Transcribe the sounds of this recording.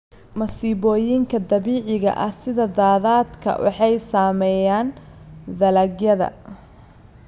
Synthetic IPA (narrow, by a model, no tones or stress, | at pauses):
mɐsiːβɔːjɪŋkʰɐd̪ɐβiːʕɪɣɐ̰ʔɐhsɪðɐd̪aːðaːd̪kʰɐ̰wʔɑ̰ħɑjsaːmɛjaːn | d̪ɐlɐɡjɐðɐ̰